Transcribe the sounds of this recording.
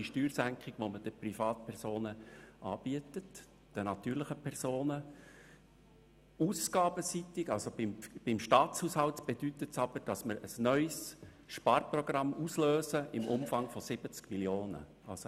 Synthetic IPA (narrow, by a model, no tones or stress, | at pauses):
iʃtyːɾsæŋkχɪɡ̥ʋoməd̥əprifɑːt̚pʰɛɾsoːnəʔɑːb̥iətət | d̥ənɑt̪yːɾləχəpʰɛrsoːnə | uːsɡ̥ɑːb̥əsit̪ɪɡɑlsobɪmb̥ɪmʃtɑːtt͡shuːshɑltb̥ed̥ytətsɑb̥əɾd̥ɑsməɾəsnœʏs | ʃpɑːrprɔɡrɑmːusløːsəʔɪmʔʊmfɑŋfɔsɪb̥ət͡skmiljoːnə̰ | ɑlso